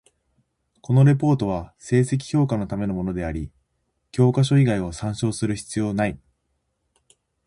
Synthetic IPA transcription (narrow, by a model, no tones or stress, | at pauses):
ko̞no̞ɾe̞p̬o̞ːt̪o̞β̞ase̞ːse̞k̬ʲi̥ço̞ːkano̞t̪ame̞no̞mo̞no̞d̪e̞aɾʲi | kʲo̞ːkaɕ̬o̞iɡaio̞sãɰ̃ɕo̞ːsɨɾɯ̟çi̥t͡sɨjo̞ːnai